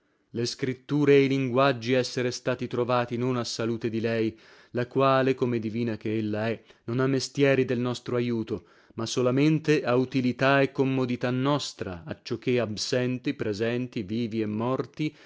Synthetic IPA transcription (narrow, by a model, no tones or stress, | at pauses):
leskɾit̪ːuːɾeːjliŋɡwad͡ʒːiɛsːeɾest̪aːt̪it̪ɾovaːt̪inonasːaluːt̪ed̪ilɛj | lakwaːlekomeɪd̪iviːnakeelːaɛnonamːest̪jɛːɾid̪elnɔst̪ɾoajuːt̪o | masolament̪eʔaut̪ilit̪aekːomːod̪it̪anːɔst̪ɾa̰at͡ʃːok̟ːeabsɛnt̪ipɾezɛnt̪iviːviemːɔrt̪i